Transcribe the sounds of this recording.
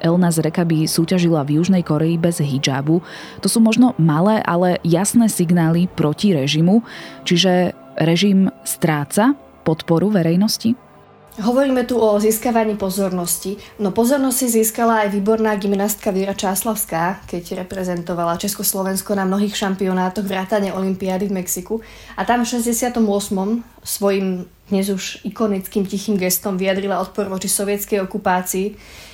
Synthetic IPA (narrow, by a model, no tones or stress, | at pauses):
ʔɛlnazɾɛkabisuːcaʒilavjuʒnɛjkɔɾɛibɛzɦid͡ʒa̰ːbut̪ɔsuːmɔʒnɔmalɛːʔalɛjasnɛːsiɡnaːlipɾɔciɾɛʒimut͡ʃiʒɛ | ɾɛʒimst̪ɾaːt͡sa | pɔt̪pɔɾuʋɛɾɛjnɔsci | ɦɔʋɔɾiːmɛt̪uʔɔziskaʋaɲiːpɔzɔɾnɔscinɔpɔzɔɾnɔsciziːskalaːjʋiːbɔɾnaːɡimnast̪kaʋɛɾat͡ʃaːslaʊskaːkɛɟɾɛpɾɛzɛnt̪ɔʋalat͡ʃɛskɔslˠɔʋɛnskɔnamnɔɦiːxʃampiɔnaːt̪ɔɣʋɾaːt̪aɲɛʔɔlimpiad̪ivmɛksiku | at̪amfʃɛzɟɛsɪat̪ɔmʊɔsmɔm | sʋɔjim | d̪̥ɲɛzuʃikɔnit͡skiːmcixiːmɡɛst̪ɔmʋiad̪ɾilaɔt̪̚pɔɾʋɔt͡ʃisɔʋɪɛt͡skɛjɔkupaːt͡siː